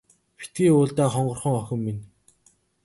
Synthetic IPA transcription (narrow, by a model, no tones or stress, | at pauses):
pe̥t̪̚ɡiːʊːɮt̪æːχɔɴɢɞ̆rχɞ̆ŋɔxʲɪ̆mːin